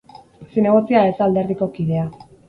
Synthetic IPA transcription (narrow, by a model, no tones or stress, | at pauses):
sine̞ɣ̞ot͡siaesald̪e̞ɾðiko̞kið̞e̞a